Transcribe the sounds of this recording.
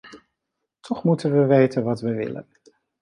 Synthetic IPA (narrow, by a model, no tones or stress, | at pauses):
tʰɔχmutənʋəʋejtənʋɑtʋəʋɪ̰lə̰n